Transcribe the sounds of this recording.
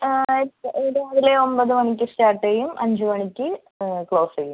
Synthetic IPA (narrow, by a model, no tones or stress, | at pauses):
eːɽeɐðileo̞mbɐðɨmɐɳikʲːɨstaːʈːejumʔɐ̰ɲd͡ʑumɐɳikʲːɨ | kɭo̞ːsejum